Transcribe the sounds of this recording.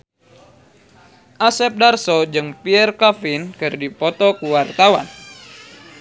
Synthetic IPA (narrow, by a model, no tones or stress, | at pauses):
ʔasɛp̚darsɔd͡ʒɨŋpiɛrkafinkɨrdipɔt̪ɔkuwart̪awa̰n